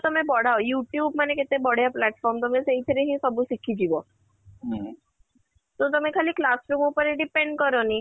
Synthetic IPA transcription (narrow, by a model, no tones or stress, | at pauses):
t̪ɔmẽbɔɽ̤aojuʈjuːbmaneket̪ebɔɽ̤japlɛʈfɔɾmt̪ɔmẽseit̪ʰeɾeɦĩsɔbusikʰid͡ʑibɔ | t̪ɔt̪ɔmẽkʰaliklasɾuːmupəɾeɖipeɳɖkəɾɔni